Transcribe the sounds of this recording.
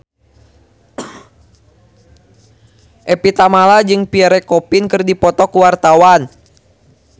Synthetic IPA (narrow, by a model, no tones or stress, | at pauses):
ʔɛpit̪amalad͡ʒɨŋpiaɾɛkɔpinkɨrdipɔt̪ɔkuwart̪awan